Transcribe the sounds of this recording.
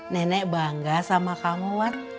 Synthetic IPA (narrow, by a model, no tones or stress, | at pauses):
nɛnɛʔbaŋɡasamakamuwat̪̚